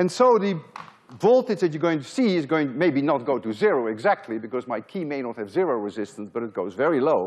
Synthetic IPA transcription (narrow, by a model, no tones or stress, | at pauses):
ɨ̃nsoʊðɨ | vɔlˠtɨd͡ʒðɨt͡ʃɨ˞ɡoʊɪ̃ŋtɨsiɪzɡoʊɪ̃ŋtmeɪbinət̚ɡ̥oʊɾɨzɪɹoʊɨɡzæk̚tʰˡlibɨkʌzmaɪkʰimeɪnət̚hɨvzɪɹoʊɹɨzɪstə̃n̩sb̥ʌɾɨt̚ɡ̥oʊzvɛɹiloʊ